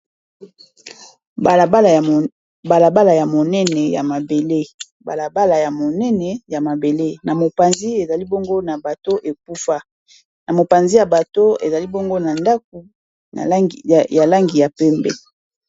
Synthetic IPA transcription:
l | ba˨la˨ba˦la˨ja˨mo˨nɛ˦nɛ˨ja̰˨ma˨be˨le˦ | ba̰˨la˨ba˦la˨ja˨mo˨nɛ˦nɛ˨ja˨ma˨be˨le˦na˨mo˨pa˨nzi˦e˨za˨li˦bo˦ŋɡo˦na˨ba˨to˦ʔe˨k̚u˦fa˦ | na˨mo˨pa˨nzi˦ja˨ba˨to˦e˨za˨li˦bo˦ŋɡo˦na˨nda˦k̚ṵ˨ | ja˨la˦ŋɡi˨ja˨pɛ˦mbɛ̰˦

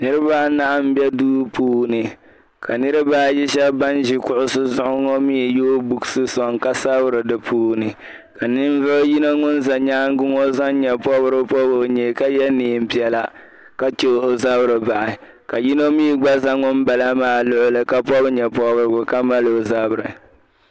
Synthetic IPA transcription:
nɨ˦ɾɨ˦baː˦na˦ʔa˨m̩˦bɛ˦duː˦puː˦nɨ˨ | ka˨nɨ˦ɾɨ˦baː˦ji˦ʃɛ˦bba˦nʒi˨kʊ˨ʔʊ˦sɨ˦zʊ˦ʔʊ˦ŋɔ˦mi˦˨jo˦bu˨ksɨ˦sɔ˨ŋka˦sa˦bʊ˦ɾɨ˨dɨ˨pʰuː˦nɨ˨ | ka˨nɪ˦n˦vʊ˦ʔji˦no˦ŋʊ˦nza˨ɲaː˦ŋ˦ɡʊ˦ŋo˦za˦n˦ɲɛ˨pɔ˦bɨ˦ɾɨ˦pɔ˦bo˨ɲɛ˨ka˦jɛ˦niː˨˦˨m̩˦pi˨ɛ˨la˦ | ka˦t͡ʃo˦o˨za˦bɾɨ˨ba˨ʔɪ˨ | ka˨ji˦no˦miː˦˨ɡ͡ba˦za˦ŋʊ˦m˦ba˨la˦maː˦lʊ˦ʔʊ˦lɨ˨ka˦pɔ˦bɲɛ˨pɔ˦bɨ˦ɾɨ˦ɡʊ˨ka˦ma˦lo˨za˦bɨ˨ɾɨ˨

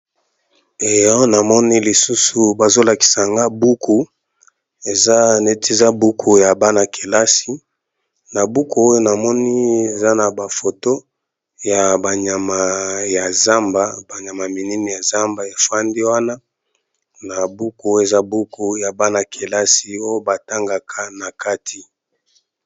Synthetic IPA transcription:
e˨jɔ˦na˨mɔ˦ni˦li˨su˦su˨ba˨zo˦la˨ki̥˨sa˨ŋɡa˦bu˦kʰu˨ | e˨za˦ne˦ti˦˨za˦bu˦kʰu˨ja˨ba˦na˨ke˨la˦si˦ | na˨bu˦ku˦o˦jo˦na˨mɔ˦ni˦e˨za˦na˨ba˨fo˨to˦ | ja˨ba˨ɲa˨ma˨ja˨za˦mba˦ba˨ɲa˨ma˨mi˨ni˦ni˨ja˨za˦mba˨ja˨fa˦ndi˦wa˦na˦ | na˨bu˦ku˨˦o˦e˨za˦bu˦ku˨ja˨ba˦na˨kʰe˨la˦si˨˦o˦jo˦ba˨ta˦ŋɡa˨kʰa˦na˨ka˦tʰi˨

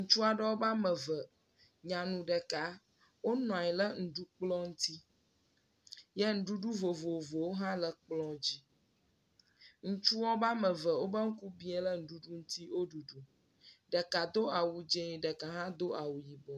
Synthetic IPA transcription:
ŋ̩̃˦t͡ʃu˦a˨ɖə˦wo˦ba˦mə˨və˨ | ɲã˨nũ˨ɖə˨ka˨ | wo˦nɔ̃˨a˨ɛ˨lə˦ŋ̩˨ɖu˦k͡plɔ̃˦ŋ̩˦t̪i˦ | jɛ˦ŋ̩˨ɖu˦ɖu˦vo˨vo˨vo˨wo˦ɦã˦lə˨k͡plɔ̃˦d͡ʑi˦ | ŋũ˦t͡ʃu˦wɔ˦ba˦mə˨və˨wo˦bə˦ŋ̩˦ku˦bi˦ɛ˦lə˦ŋ̩˨ɖu˦ɖu˦ŋ̩˦t̪i˦wo˦ɖu˨ɖu˨ | ɖə˨ka˨d̪o˦a˨wu˨d͡ʒe˦i˨ɖə˨ka˨ɦã˦d̪o˦ʔa˨wu˨ji˨bɔ˨

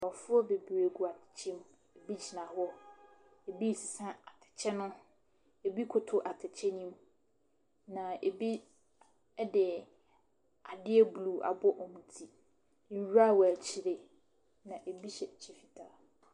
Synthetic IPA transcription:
ɔ˨fʊ˦ɔ˦be˨bɾe˨ɡu˨a˨tʰɪ̥˨t͡ɕʰɛ˦m | e˨bi˦t͡ɕʰi˨nã˨ɦʊ˦ɔ˦ | e˨bi˦˨si˨sã˦a˨tʰɪ̥˨t͡ɕʰɛ˦nʊ̃˦ | e˨bi˦kʰʊ˨tʰʊ˦ʔa˨tʰɪ˨t͡ɕʰɛ˦nĩ˦m | nã˨e˨bi˦ | ɛ˦dɪ˨ | a˨dɪ˦ɛ˦blu˨a̰˨bɔ˦ʔɔ̃˨m̩̃˨tʰi˦ | n̩˨˦wa˦˨wæ˨t͡ɕʰi˨ɾe˨ | nã˨ʔe˨bi˦ɕɛ˨t͡ɕʰi˦fi˨tʰa˨

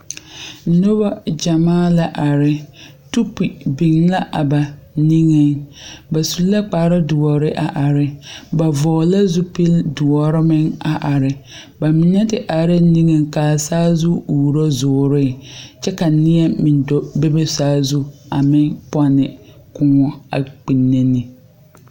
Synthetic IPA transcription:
n̩˦no˦ba˦d͡ʒa˨maː˦la˦ʔa˨ɾɪ˨ | tu˦pi˨bi˨ŋla˦ʔa˨ba˨ni˦ŋe˦ŋba˨su˨˦lla˦k͡paː˨˦ɾɪ˦dʊ˨ɔ˨ɾɪ˦ʔa˨ʔa˨ɾɪ˨ba˨vɔː˨la˦zu˦pi˦ldʊ˨ɔ˨ɾɪ˦mɪ˦ŋa˨ʔa˨ɾɪ˨ | ba˨mɪ˨nɛ˦tɪ˨ʔa˨ɾɪ˦ni˦ŋe˨ŋkaː˨saː˦zʊ˦uː˨ɾo˦zʊː˨ɾɪ˦˨t͡ʃɛ˦ka˨nɪ˦ɛ˦mɪ˨ndɔ˦be˦be˦saː˦zu˦a˨mɪ˦pɔ˦nɪ˨kʊ˦˨ŋɔ˨a̰˨k͡pi˨nːe˦ni˨

